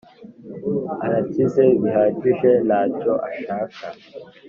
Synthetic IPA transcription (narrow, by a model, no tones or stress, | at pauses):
aɾatizeβiɦaɟiʒenaːcoʔaʃaːkʰa